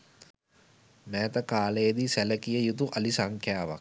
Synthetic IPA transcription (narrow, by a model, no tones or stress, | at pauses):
mæːt̪əkaːləjəd̪isæləkijəjut̪uʔalisaŋkʰjaːʋa̰k̚